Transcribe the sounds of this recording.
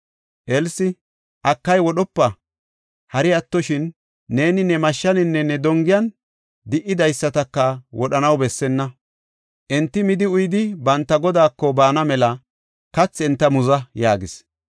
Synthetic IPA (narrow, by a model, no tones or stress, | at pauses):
ʔɛlsɪ | ʔɐkːɐjwɔɗɔpːɐ | hɐɾɪɐt̪ːɔʃɪnː | e̞ːnɪnɛmɐʃːɐnɪnːɛnɛd̪ɔŋɡɪjɐn | d̪ɪʔːɪd̪ɐjsːɐt̪ɐkːɐwɔɗɐnɐwbɛsːɛnːɐ | ʔɛnt̪ːɪmɪd̪ɪʊjɪd̪ɪbɐnt̪ːɐɡɔd̪aːkːɔbaːnɐmɛlɐ | kɐt͡sːɛnt̪ːɐmʊzɐjaːɡɪs